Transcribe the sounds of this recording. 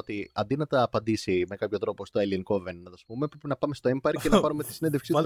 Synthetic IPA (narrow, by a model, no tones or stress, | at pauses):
ot̪iɐ̰nd̪inɐt̪ɐːpɐnd̪isime̞kɐpço̞t̪ɾo̞po̞st̪oelinkovennɐt̪ɐsumepɾenɐpɐme̞st̪o̞empɐɾkcːenɐɐpɐnumet̪i̥sineðefksit̪